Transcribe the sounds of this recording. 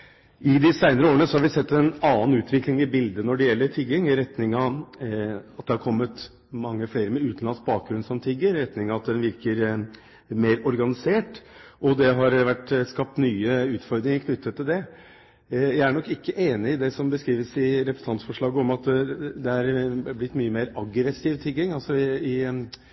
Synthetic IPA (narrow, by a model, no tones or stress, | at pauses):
ɪd̪ɪsæɪnəɾəoːɾənəsɔhɑɾʋɪsɛt̪ːɛnɑːnʉːt̪ʰʋɪklɪŋɪbɪld̪ənɔɖɛjɛlːəɾʈʰɪɡ̪ɪŋɾɛt̪nɪŋɑ | ɑt̪̚d̪ɛhɑɾkʰɔmːət̪ | mɑŋːəfleːɾəmɛʉːt̪n̩ɑnsk̚bɑːk̚ɡɾʉnsɔmt̪ʰɪɡːəɾɾɛt̪nɪŋɑɑt̪̚d̪ɛnʋɪɾkəɾ | meːɾɔɾɡɑnɪseːʈʔɔd̪ɛɦɑɾʋæʈːskɑp̚t̪nyːəʉːt̪fɔɾd̪ɾɪŋəɾkʰnʏt̪ːət̪ʰːɪld̪ɛ | jæɪæɳɔkːɪkːəʔeːnɪɪd̪ɛsɔmbəskɾiːʋəsɪɾɛpɾəsɑnsfɔʂɭɑːɡəɔmɑt̪d̪ɛæɾblɪt̪ːmyːəmeːɾɑɡɾɛsiːʋt̪ʰɪlɡɪŋɑlsɔɪ